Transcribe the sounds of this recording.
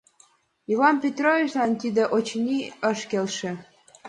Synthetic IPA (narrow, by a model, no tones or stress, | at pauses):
ivɑnpʲet̪rovʲit͡ɕlɑnt̪id̪ĕʔot͡ɕnʲiəʃkelʃĕ